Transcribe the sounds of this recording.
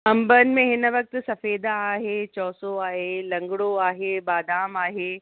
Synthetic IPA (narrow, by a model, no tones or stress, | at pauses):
ɐ̃mbənmẽɦɪnʋɐk̚t̪sɐfeːd̪aːɦet͡ʃɔːsoaːɦelɐ̃ŋɡɽoaːɦebaːd̪aːmaːɦeː